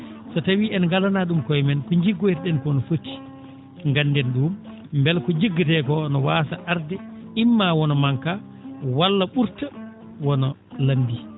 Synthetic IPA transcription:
sɔtawiɛnŋɡalanaɗumkɔjmɛnkɔɲd͡ʒiɡːɔɛɾɗɛnkɔnɔfotːi̥ | ŋɡanːdɛnɗum | mbɛlkɔɲd͡ʒiɡːatɛkɔnɔwaːsaʔaɾdɛimːawɔnɔmaŋka | walːaɓuɾta | wɔnɔlanbi

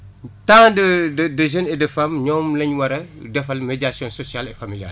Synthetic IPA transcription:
tãːdədədəʒənɛdəfɐmɲɔːmlɐɲwɐɾɐdɛfɐlmeɟasjɔ̃nsɔsijalɛfamilia̰ːl

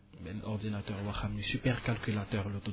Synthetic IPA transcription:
bɛlɔʁd̪inat̪œʁwaχamnisypɛʁkalkʲylat̪œʁlot̪o

